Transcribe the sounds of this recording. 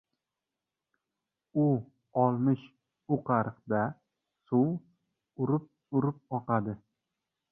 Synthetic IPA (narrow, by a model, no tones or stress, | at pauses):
ʊ | ɒlˠmɪʃ | ʊqʰɑɾɨqd̪a | sʊw | ʊɾɪp̚ | ʊɾɪp̚ɒqad̪ɪ